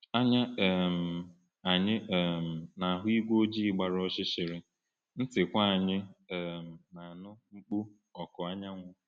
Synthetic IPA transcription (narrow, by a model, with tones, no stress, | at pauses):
a˦ɲa˦ɛ˨m̩˨ | a˨ɲɪ˦˨m̩˨na˨ɦʊ˦i˦ɡʷo˦d͡ʒi˦˨ɡ͡ba˨ɾo˦ʃɪ˦ʃɪ˨ɾɪ˦ | n̩˦tɪ˨kʷa˦a˨ɲɪ˦ɛ˨m̩˨na˨nʊ˦ŋ͡m̩˦k͡pu˦ | ɔ˨kʊ˨a˦ɲa˦ŋʷʊ˦